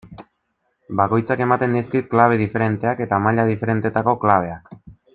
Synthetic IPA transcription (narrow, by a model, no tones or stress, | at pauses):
bako̞jt͡sake̞mat̪e̞nd̪iskit̪̚klaβ̞e̞ð̞ife̞ɾe̞nt̪e̞ake̞t̪amaʎað̞ife̞ɾe̞nt̪e̞t̪ako̞klaβ̞e̞ak